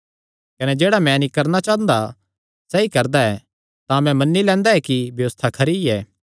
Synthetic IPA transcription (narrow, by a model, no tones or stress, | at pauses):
kɐnɛd͡ʒeːɽamɛ̃nĩkɐɾnat͡ʃãːnd̪a | sɛːikɐɾd̪aɛ | t̪ãmɛ̃mɐnːilɛ̃ːnd̪aɛkibjɐʋəst̪ʰakʰɐɾiɛː